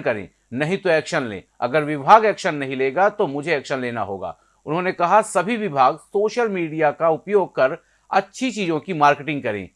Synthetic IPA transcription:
kɐɾḛ̃ː | nɐɦĩt̪oɛːkʃənlḛ̃ːɐ̰ɡəɾʋɪbʱaːɡɛːkʃənːɐɦĩleːɡat̪omʊd͡ʒʱeɛːkʃənleːna̰ɦo̰ːɡa̰ː | ʊnɦõnekɐɦasɐbʱiʋɪbʱaːɡsoːʃəlmiːɖijakaʊpjoːɡ̚kɐɾ | ɐtːʃʰit͡ʃiːzõkimaːɾkeʈɪ̃ŋɡ̚kɐɾḛ̃ː

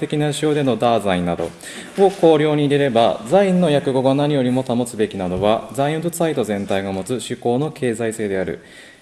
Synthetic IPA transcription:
e̞kʲinaɕio̞ːd̪e̞no̞d̪aːzaĩnːad̪o̞̰ | o̞ko̞ːɾʲo̞ːɲ̟iːɾe̞ɾe̞bazaĩnːo̞jakɯ̟ɡo̞ɡanaɲʲijo̞ɾʲimo̞t̪amo̞t͡sɨbe̞kʲinad̪o̞βazaĩɯ̃d̪osait̪o̞zẽ̞nt̪aiɡamo̞t͡sɨɕɨko̞ːno̞kʰe̞ːzaise̞ːd̪e̞aɾɯ̟̰

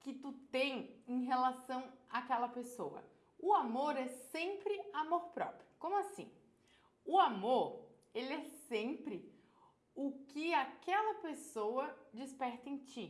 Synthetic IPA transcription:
kɪt̪ut̪ẽj̃ẽj̃ɦelasɐ̃w̃akɛlɐpesoɐ̰ | ʊamoɾɛsẽmpɾɪamoɾpɾɔ̰pɾijʊkõmʊasḭ̃ | ʊamoɾ | elɪɛsẽpɾɪ | ʊkɪakɛlɐpesowɐd͡ʒispɛɾt̪ɐẽj̃t͡ʃi

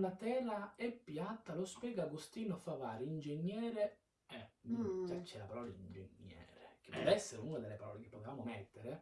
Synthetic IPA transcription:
nat̪ɛːlaɛpːjat̪ːalospjɛːɡaɡust̪iːnofavaːɾeind͡ʒeɲːɛːɾe | ɛ | at͡ʃːɛlapaɾɔːlaind͡ʒḛɲːɛ̰ːɾek̟ɪ̥pːɔd̪ɛsːeɾunad̪elːepaɾɔ̰ːlek̟ɪpːot̪evaːmomɛt̪ːeɾe

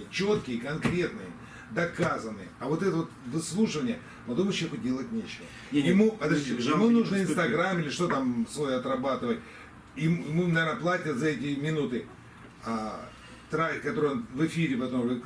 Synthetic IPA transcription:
t͡ɕo̞t̪kʲɪjəkɐnkɾʲe̞t̪nɨjə | d̪ɐkazənːɨjəɐvo̞t̪ɛt̪əvo̞t̪vɨslˠuʂɨvənʲɪjə | pɐd̪uməɕexʊdʲe̞lˠətʲnʲet͡ɕɪvə | jɪmupɐd̪ɐiɪmɨnuʐnɨɪnsst̪ɐɡɾamɪlʲɪʂt̪ot̪amsvojəɐt̪rɐbat̪ɨvət̚ʲ | ɪmjɪmunɐvʲernəplˠatʲət̪zɐɛtʲɪmʲɪnut̪ɨ | a | t̪ɾakɐt̪oɾɨjonvɨfʲiɾʲɪpɐt̪omvɨ

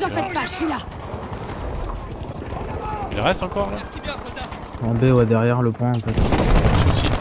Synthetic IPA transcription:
zɑ̃fɛt̪̚pasila | ilʁɛst̪ɑ̃kɔʁla | ɑ̃bewad̪ɛʁjɛʁləpɛ̃ɑ̃fɛt̪ | i

